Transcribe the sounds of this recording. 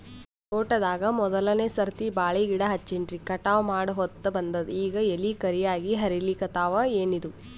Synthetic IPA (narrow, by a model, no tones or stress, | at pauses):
t̪oːʈɐd̪aːɡɐmɔd̪ɐlɐneːsɐɾt̪ibaːɭiɡiɽɐɦɐt͡ʃːiɳɖɾikɐʈaːʋɐmaːɽɐɦɔt̪ːɐbɐnd̪ɐd̪iːɡɐelikɐɾijaːɡiɦɐɾilikɐt̪aːʋɐeːnid̪u